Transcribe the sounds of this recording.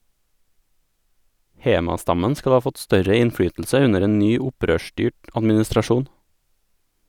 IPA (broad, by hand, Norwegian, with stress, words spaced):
ˈheːmɑˌstɑmən ˈskɑl ˈɑː ˈfɔt ˈstœɾə ɪnˈfɽyːtʎ̩sə ˈʉnəɾ ˈeːn ˈnyː ˈʊˌpɾøːˌʃʈyːʈ ɑdmɪnɪstɾɑˈʃuːn